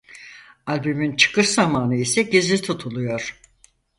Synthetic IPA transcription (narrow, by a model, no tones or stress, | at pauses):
alʲbymint͡ʃʰɯ̥kɯʃzamaːnɯisɛɟezit̪ʰut̪ʰulˠujoɾ̥